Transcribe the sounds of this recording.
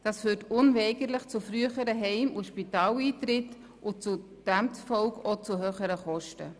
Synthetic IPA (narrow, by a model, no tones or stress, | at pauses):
d̥ɑːsfyːtʊnvɛɪɡəɾləχt͡sufɾyəχəɾəɦɛɪmʊʃpitɑːliːtɾɪt | ʔʊt͡su | d̥æmtfɔʊkot͡suɦøːχəɾəχɔʃtə̰